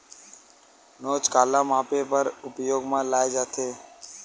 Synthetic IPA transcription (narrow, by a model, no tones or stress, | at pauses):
noːt͡ʃkaːlãːmaːpeːpəɾʊpjoːɡmãːlaːed͡ʒaːt̪ʰeː